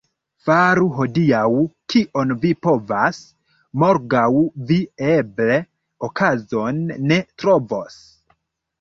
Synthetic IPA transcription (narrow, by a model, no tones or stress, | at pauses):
faɾuɦo̞diawkiʔo̞nvipo̞vas | mo̞ɾɡawvieble̞ | okʰazo̞nːe̞tɾo̞vo̞s